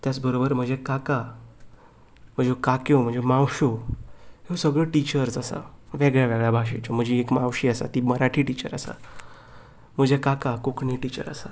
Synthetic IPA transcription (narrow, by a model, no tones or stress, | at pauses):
t̪jat͡sbəɾobəɾm̤əd͡ʑekaka | m̤əd͡zekakjõm̤ə̃ɳd͡zemãwɕo | ɦesəɡɭəʈit͡ɕəɾsasa̰ʋeɡɭjaʋeɡɭjabʱaɕ̬et͡ɕom̤əd͡ʑiekmãwɕiːasa̰t̪iːməɾaʈʰiːʈit͡ɕə̰ɾa̰sa̰ | m̤əd͡ʑekakakokɳiʈit͡ɕə̰ɾa̰sa